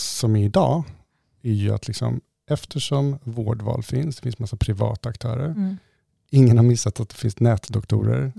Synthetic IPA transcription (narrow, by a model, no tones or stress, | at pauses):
sɔmɪd̪ɑː | æɾjɵa̰t̪ʰlɪksɔ̰m | ɛft̪ʰəʂɔmvoːɖvɑ̰ːlfɪnsd̪ɛ̥fɪnsmasːapʰɾɪvɑ̰ːt̪aakt̪ʰœ̰ːɾəɾ | ɪŋːənhaɾmɪsːat̪at̪̚d̪ɛfɪnsnɛːt̪d̪ɔkt̪ʰṵːɾə̰ɾ